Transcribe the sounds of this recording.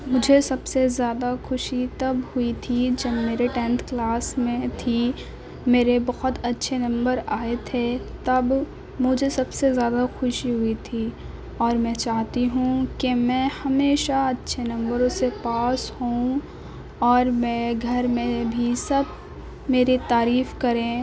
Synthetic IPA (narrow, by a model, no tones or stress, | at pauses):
mʊd͡ʒʱesɐbsezjaːd̪axʊʃit̪ɐbhʊit̪ʰid͡ʒɐbmeːɾeʈɛ̃nt̪ʰklaːsmẽt̪ʰi | meːɾebɐɣɔt̪ɐtːʃʰenɐ̃mbəɾaːet̪ʰet̪ɐb | mʊd͡ʒʱesɐbsezjaːd̪axʊʃiɦʊit̪ʰi | ɔːɾmɛ̃t͡ʃaːɦt̪iɦũkemɛ̃ːhɐmeːʃaɐtːʃʰenɐ̃mbəɾõsepaːshũ | ɔːɾmɛ̃ɡʱɐɾmẽbʱisɐb̚ | meːɾit̪aːɾiːfkɐɾẽː